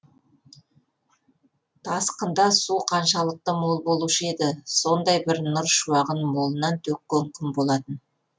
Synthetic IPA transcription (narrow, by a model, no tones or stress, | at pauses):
t̪ʰɑsqənd̪ɑsuqʰɑnʃɑlˠəq̚t̪əmo̞lˠbo̞lˠuʃəe̞d̪ɪso̞nd̪ɑjbɪɾnʊɾʃuwɑʁənmo̞lˠənɑnt̪ʰɵkːʲeŋkʲʰɪmbo̞lˠɑt̪ən